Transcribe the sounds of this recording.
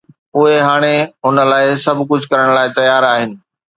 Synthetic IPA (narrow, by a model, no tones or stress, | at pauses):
ʊɦeɦaːɽ̃eɦʊnə̆laːɪsɐbʱkʊd͡ʑʱkɐɾəɽ̃laːɪt̪ɐjaːɾaːɦɪnɪ̆